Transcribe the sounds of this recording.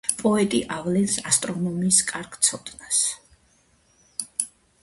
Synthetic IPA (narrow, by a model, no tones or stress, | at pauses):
pʼɔɛt̪ʼiʔavlɛnsast̪ʼɾɔnɔmiskʼaɾɡʰt̪sʰɔt̪ʼnas